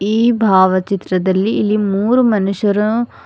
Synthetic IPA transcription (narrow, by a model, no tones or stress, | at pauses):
iːbʱaːʋɐt͡ʃit̪ɾɐd̪ɐlːiːlːimuːɾumɐnuʂjɐɾɐ